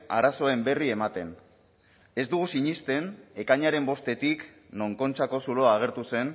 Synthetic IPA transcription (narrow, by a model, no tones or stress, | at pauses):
a̰ɾaso̞e̞mbe̞rie̞mat̪e̞n | e̞zd̪uɣ̞usiɲist̪e̞ne̞kaɲaɾe̞mbo̞st̪e̞t̪ik | no̞ŋko̞nt͡ʃako̞suloaːɣ̞e̞ɾt̪use̞n